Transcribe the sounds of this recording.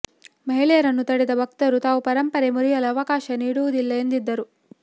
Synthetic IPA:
mɐɦiɭɛjɐɾɐnːut̪ɐɽɛd̪ɐbʱɐk̚t̪ɐɾut̪aːʋupɐɾɐmpɐɾemuɾijɐlɐːʋɐkaːʃɐniːɽuʋud̪ilːɐend̪id̪ːɐɾu

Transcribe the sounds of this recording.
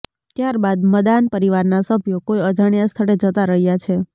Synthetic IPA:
t̪jaɾbad̪məd̪anpəɾiʋaɾnasəbʱjokojəd͡ʒaɳjast̪ʰəɽed͡ʒət̪aɾəɦjat͡ʃʰe

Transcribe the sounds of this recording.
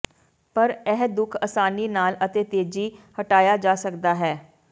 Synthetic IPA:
pəɾɛɦd̪ʊkʰəsaːniːnaːlət̪eːt̪eːd͡ʒiːhəʈaːjaːd͡ʒaːsəkd̪aːɦɛː

